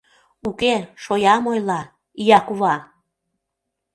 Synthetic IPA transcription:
ukeʃojɑmojlɑ | jɑkuβɑ

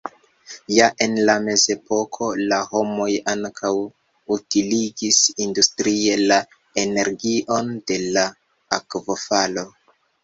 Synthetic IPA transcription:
jaʔe̞nlame̞ze̞po̞kʰo̞laho̞mo̞jaŋkʰaw | utiliɡisindustɾie̞la | ene̞ɾɡiʔo̞nde̞la | akvo̞falo̞

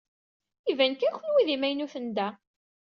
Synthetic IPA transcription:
ivænkæçlwiðimæjnuθənd̪æ

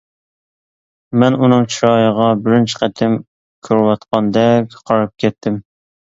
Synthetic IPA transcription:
mɛnunɨŋt͡ʃʰiɾɑːjəʁɑbɪɾɪnt͡ʃʰɪ̥qʰæt̪ʰɪm | kʲʰøɾwɑt̪qʰɑnd̪ɛkʲqʰɑɾɑp̚kʲʰɛt̪ʰːɪm

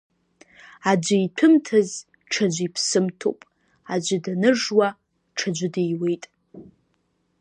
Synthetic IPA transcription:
ad͡ʒʷaitʰɨmtʰaz | ʈ͡ʂʰad͡ʒʷipʰsɨmtʰo̰wpʼ | ad͡ʒʷɪdanɨʐwa | ʈ͡ʂʰad͡ʒʷɪdejwejtʼ

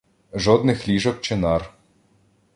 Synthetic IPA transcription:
ʒɔd̪nɪxlʲiʒɔk̚t͡ʃɪnɑr

